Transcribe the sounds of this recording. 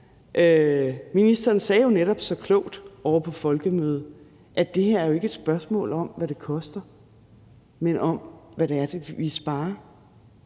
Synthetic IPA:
ʔøminisd̥ɐːnsɛːjo̝neɾɒ̽b̥sɒ̽kʰlɔ̰ʊd̥ɒʊ̰ɐpʰɒ̽fɒ̽lɡ̥əmøːð̞̩ˠ | ʔæd̥e̝heɐ̰æɐjo̝e̝ɡ̥əed̥sb̥ɶɐsmɔ̰̽ːlɒ̽m̰ʋæɾ̥e̝kʰɒ̽sd̥ɐ | menʔɒ̽mʋæɾ̥eæɐd̥e̝ʋisb̥ɑ̈ːɐ

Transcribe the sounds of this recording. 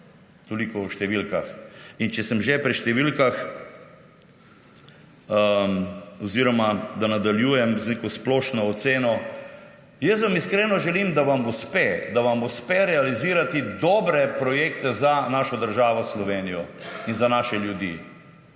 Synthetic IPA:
t̪olikɔwʃt̪ɛʋilkaxint͡ʃɛsəmʒɛpɾiʃt̪ɛʋilkax | ə | oziɾɔmad̪anad̪aljuːjɛmznekɔsplɔːʃnɔːt̪seːnɔ | jəs̬ʋamiskɾeːnɔʒɛliːmd̪aʋamuspɛd̪aʋamuspɛɾɛaliziːɾat̪id̪ɔːbɾɛpɾɔjeːkt̪ɛzanaːʃɔd̪əɾʒaːʋɔslɔʋeːnijɔinzanaʃɛljud̪ḭː

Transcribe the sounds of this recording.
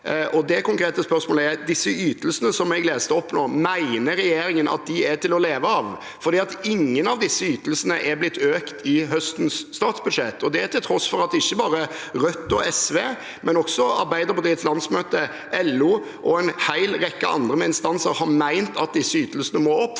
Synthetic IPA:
ʔɔd̪ɛkʊŋkɾeːt̪əspœɾsmoːləɛɾd̪ɪsːəyːt̪əlsənəsɔmɛɡleːst̪əɔpːnoːmæɪnəɾɛjeːɾɪŋənʔɑ̰t̪̚d̪ɪæt̪ɪlɔleːʋəɑʋ | fɔɾd̪iːɑt̪ɪŋːənɑʋd̪ɪsːəyːt̪əlsənəʔɛblɪt̪ːøːkt̪ʰɪɦœst̪nsːt̪ɑːt̪sbʉd̪ʂɛt̪ːɔd̪ɛæɾt̪ʰɪlt̪ʰɾɔsfɔɾɑt̪ɪçːəbɑːɾəɾœt̪ːɔɛsʋeː | mɛnɔksɔɑ̰ɾbæɪd̪əɾpʊd̪ɾɪːd̪slɑnsmøːt̪ə | ʔɛlːuː | ʔɔɛnhæɪlɾɛkːəɑ̰nd̪ɾəmɛɪnst̪ɑnsəɾhɑɾmæɪnt̪ʰɑt̪̚d̪ɪsːəyːt̪əlsənəmoːɔpː

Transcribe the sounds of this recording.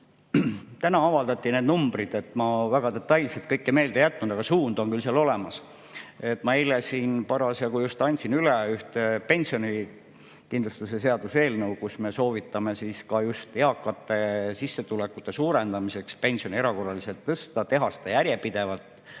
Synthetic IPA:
t̪ænɑɑvɑld̪ɑt̪ˑːineːd̪numbɾid̪̥e̞t̪ːˑmɑvæɡ̥ɑd̪e̞t̪ːˑɑjlselt̪̚kɤjkːemeːld̪ejæt̪ːˑnud̪̥ɑɡ̥ɑsuːnd̪o̞nkylseɑlole̞mɑs | e̞t̪ːˑmɑilesiːnpɑɾɑsjɑkujust̪ɑnʲt̪sinyleyht̪epe̞nʲsioni | kind̪lust̪use̞se̞ɑd̪̥use̞ːlnəwkusme̞so̞ːvit̪ːˑɑme̞siːskɑjust̪eɑkːɑt̪ːˑe̞sisːe̞t̪ulekːˑut̪ːˑe̞suːɾend̪ɑmise̞kspe̞nʲsio̞nʲieɾɑko̞rːɑlise̞lt̪ːɤst̪ɑt̪e̞ɦɑsi̥d̪ɑjæɾje̞pid̪̥e̞vɑlt̪ˑ

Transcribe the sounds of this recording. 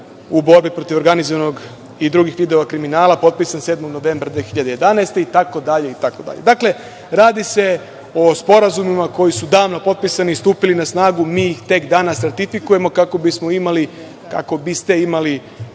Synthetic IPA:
ubo̞ɾbipɾo̞t̪iʋo̞ɾɡanizoʋano̞ɡ | id̪ɾuɡixʋid̪eoʋakɾiminaːlˠapo̞t̪̚pisansed̪mo̞ɡno̞ʋe̞ːmbɾad̪ʋexiʎad̪eje̞d̪anajst̪e̞it̪ako̞d̪aʎe̞it̪akod̪a̰ʎed̪akle̞ | ɾaːd̪ise̞ | ospo̞ɾazumimako̞jisud̪aːʋnopo̞t̪̚pisaniːst̪uːpilinasnaːɡumiːixt̪e̞kd̪aːnasɾat̪ifikuje̞mo̞kako̞bismo̞imali | ka̰ko̞bist̪e̞imali

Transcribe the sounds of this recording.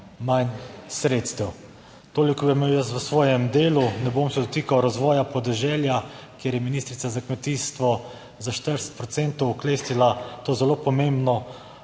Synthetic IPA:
mansɾeːt̪st̪ɛw | t̪oːlikɔbimewjəst̪ʋəsʋɔːjɛmd̪eːlunɛboːmsɛd̪ɔt̪iːkawɾazʋɔːjapɔd̪ɛʒɛljakjeːɾjɛminiːst̪ɾit̪sazakmɛt̪iːst̪ʋɔ | zaʃt̪əɾsɛ̥t̪̚pɾɔt̪sent̪ɔwːkleːst̪ilat̪oːzɛlopɔmẽmbnɔ

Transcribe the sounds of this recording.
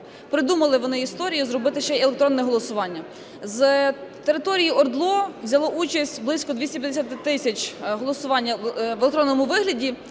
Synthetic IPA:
pɾɪd̪umɐlˠɪʋɔnɪist̪ɔɾʲijʊzrɔbɪt̪ɪʃt͡ʃɛɛlˠek̚t̪ɾɔnːɛɦɔlˠɔsʊʋɑnʲːɐ | zt̪eɾɪt̪ɔɾʲijiɔrd̪lˠɔʋzʲɐlˠɔʔut͡ʃɐsʲtʲblˠɪsʲkɔd̪ʲʋʲisʲtʲɐpʲjɐd̪esʲɐt̪ɪt̪ɪsʲɐt͡ʃɦɔlˠɔsʊʋɑnʲːɐʋlʲekt̪ɾɔnːɔmʊʋɪɦlʲɐdʲi

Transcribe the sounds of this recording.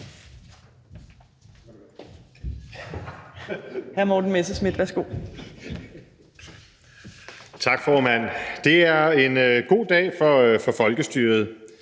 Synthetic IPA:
hæɐmɒd̥n̩mesəsmid̥ʋæɐsɡ̥o̝̰ː | t͡sʰɑ̈ɡ̥fɒːmæn̰d̥e̝æɐe̝nɡ̥o̝̰ːd̥ɛ̰ːfɒ̽fɒ̽fɒ̽lɡ̥əsd̥yːɐð̞̩ˠ

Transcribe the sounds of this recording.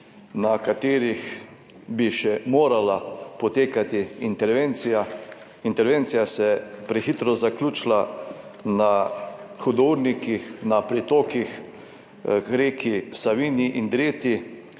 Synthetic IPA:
nakat̪eːɾix | biʃɛmoːɾalapɔt̪eːkat̪iint̪ɛɾʋent̪sija | int̪ɛɾʋeːnt̪sijasɛpɾɛxit̪ɾɔzaklʲut͡ʃla | na | xɔd̪oɾnikixnapɾit̪oːkix | ɡɾeːkisaʋiːniʔind̪ɾeːt̪i

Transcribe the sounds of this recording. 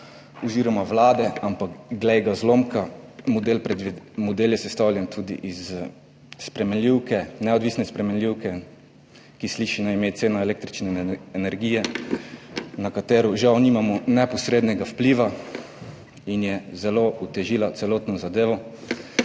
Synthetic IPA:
ɔziːɾɔmaʋlaːd̪ɛampakɡlɛjɡazlomkamɔd̪elpɾɛd̪ʋimɔd̪eːljɛsɛst̪awlʲjɛnt̪ʰud̪ḭʔiz | spɾɛmɛnlʲiwkɛnɛɔd̪ʋiːsnɛspɾɛmɛnlʲiwkɛ | kisliʃinaimeːt̪seːnaɛlekt̪ɾit͡ʃnɛːnɛɾɡiːjɛ | nakat̪eːɾɔʒawniːmamɔnɛpɔsɾeːd̪nɛɡawpliʋa | injɛzɛlout̪ɛʒilat̪sɛloːt̪nɔzad̪eːʋɔ

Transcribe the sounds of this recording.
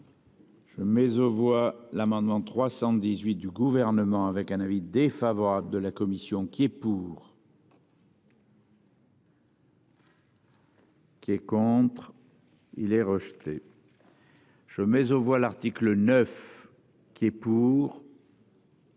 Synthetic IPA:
ʒ̥əmɛzovwalamɑ̃d̪mɑ̃t̪χwasɑ̃d̪izɥit̪̚d̪yɡuvɛʁnəmɑ̃avɛkɛ̃navid̪efavɔʁabld̪əlakɔmisjɔ̃kʲiɛpuːʁ | kʲiɛkɔ̃t̪χ | ḭlɛʁəʒt̪ḛ | ʒ̥əmɛzovwalaʁt̪iklənœf | kʲiɛpuːʁ

